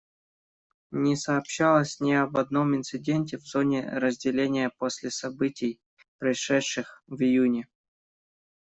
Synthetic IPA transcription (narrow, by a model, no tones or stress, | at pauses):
nʲɪsɐːpɕːalˠəsʲnʲɪɐbɐd̪no̞mɪnt̪sɨdʲenʲtʲɪvzo̞nʲɪ̰ɾəzʲdʲɪlʲenʲɪjəposʲlʲɪsɐbɨtʲɪj | pɾəɪʂɛtʂːɨxvɪjunʲɪ